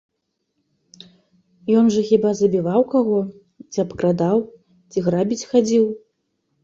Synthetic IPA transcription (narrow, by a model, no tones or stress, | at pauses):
jɔnʐɐxʲibazɐbʲivawkaɣɔ | t͡sʲiɐpkɾad̪aw | t͡sʲiɣɾabʲit͡sʲxad͡zʲiw